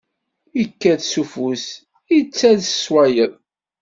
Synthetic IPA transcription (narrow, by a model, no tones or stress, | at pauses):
jəkːæðsufus | ət͡sːæðsə̥swæjəðˤ